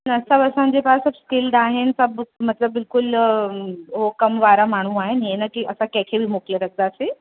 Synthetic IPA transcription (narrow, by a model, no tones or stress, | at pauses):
nəsəbəsãɲd͡ʑepaɾsəbskɪlɖaɦensəbmət̪ləbːɪlkʊl | ɦokəmʋaɾamaɽ̤̃ũaːɦenɦenakiʔəsãkɛ̃kʰebʱiːmokleɾək̚d̪aəse